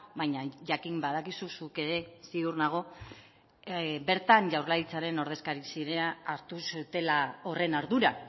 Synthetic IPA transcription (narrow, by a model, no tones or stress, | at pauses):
βajɲaʝakimbað̞akisusuke̞ɾe̞siurnaɣ̞o̞ | be̞ɾt̪anʝawɾlaðit͡saɾe̞no̞ɾð̞e̞skaɾisiɾeaːɾt̪usut̪e̞lao̞re̞naɾðuɾa